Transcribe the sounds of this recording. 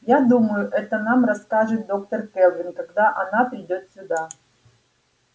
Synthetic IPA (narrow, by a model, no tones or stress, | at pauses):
jad̪uməjʊʔɛt̪ənamrɐskaʐɨt̪̚d̪o̞k̚t̪ərkɛlˠvʲɪnkɐɡd̪aʔɐnapɾʲɪdʲo̞t̪sʲʊd̪a